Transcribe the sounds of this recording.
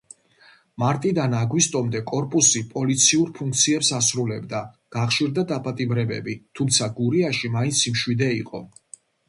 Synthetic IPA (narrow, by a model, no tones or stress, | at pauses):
maɾt̪ʼid̪anaɡwist̪ʼɔmd̪ɛkʼɔɾpʼusipʼɔlit̪sʰiuɾpʰuŋk̚ʰt̪sʰiɛpsasɾulɛbd̪a | ɡ̥aχʃiɾd̪ad̪apʼat̪ʼibɾɛbɛ̰bit̪ʰumt̪sʰaɡuɾiaʃimaint̪sʰimʃwid̪ɛḭqʼɔ̰